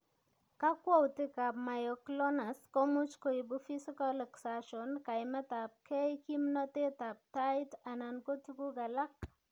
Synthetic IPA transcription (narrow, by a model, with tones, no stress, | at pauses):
ka˦kwɔ˦wtɪ˦ka˨p̚ma˨jɔ˨klɔ˦na˨sko˦mu˦t͡ʃko˨i˨bufi˦si˦ka˦lɛ˨ksaʃɔ˨nka˨ɪmɛ˦ta˨p̚kʰɛ˦iki˦mnɔ˦te˦ta˨p̚tajta˨na˨nko˦tu˦ku˦ɡa˨la˦k̚